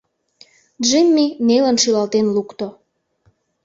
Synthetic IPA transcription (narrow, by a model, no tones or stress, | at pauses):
ʒimʲːinelə̆nʃylɑlt̪enlukt̪o